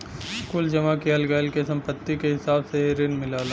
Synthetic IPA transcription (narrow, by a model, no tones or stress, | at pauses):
skuːld͡ʒɐmakiɦɐlɡɛːlkesɐ̃mpət̪ːikeɦɪsaːbseɾɪnmɪlaːlaː